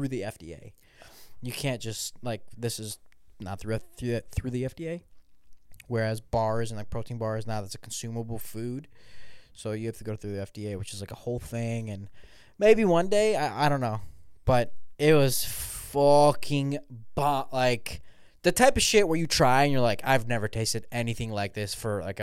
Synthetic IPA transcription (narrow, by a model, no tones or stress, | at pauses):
θɹʉðiɛfd̥ḭḛɪ | jɨkʰæ̃nd̥ʒ̥ʌstlaɪk̚ðɪsɨznə̰t̪̚θɹʉθɹʉɨθɹʉðiɛfd̥ieɪ | wə˞æzbɑɹzɨ̃nlaɪpʰɹ̥oʊtɪ̃ŋbɑɹznaʊðætsɨ̥kʰn̩sʉməbl̩ˠfʉd̥soʊjɨhæftɨɡoʊθɹʉðiɛfd̥ieɪwɨt͡ʃɨzlaɪkəhoʊlˠθɪ̃ŋɨ̃n | meɪbiwʌ̃ndeɪaɪʔaɪdɾõʊ̃nːoʊb̥ʌɾɪt̚wʌz̥fʌkʰɪ̃ŋb̥ɑlaɪk | ðɨtʰaɪpʌv̥ʃɪt̚wə˞jɨtʰɹ̥aɪɨ̃njə˞laɪkʰaɪvnɛvə˞tʰeɪstɨɾɛniθɪ̃ŋlaɪk̚ðɪsfə˞la̰ɪk